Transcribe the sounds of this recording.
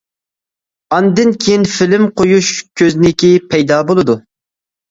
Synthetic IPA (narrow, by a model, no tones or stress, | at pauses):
ɑnd̪ɨnkʲʰejinfɪlɪmqʰojuʃkʲʰøznɪkʲipʰɛjd̪ɑːbolˠɨd̪u